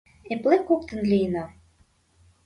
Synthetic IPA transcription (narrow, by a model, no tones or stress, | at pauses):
eplekopt̪ə̆nlʲijnɑ